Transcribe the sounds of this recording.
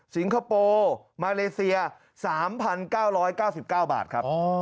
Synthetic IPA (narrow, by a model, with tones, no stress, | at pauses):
si˩˦nkʰa˧poː˧ | maː˧leː˧si˧ɐ | saː˩˦mpʰa˧nkaː˥˩wɾɔː˦˥jkaː˥˩wsi˨˩p̚kaː˥˩wba̰ː˨˩t̪̚kʰɾa˦˥˧